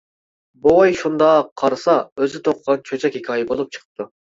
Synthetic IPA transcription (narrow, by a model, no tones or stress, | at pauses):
boɑjʃund̪ɑqʰːɑɾɨsɑøzɪt̪ʰoqʰʁɑnt͡ʃʰøt͡ʃʰɛkʲhikʲʰɑːjɪbolˠup̚t͡ʃʰə̥qʰə̥p̚t̪u